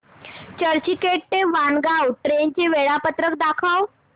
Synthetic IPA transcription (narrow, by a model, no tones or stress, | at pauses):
t͡ɕəɾt͡ɕikeʈ̚t̪eʋanɡawʈɾent͡ɕeʋeɭapət̪ɾək̚d̪akʰaw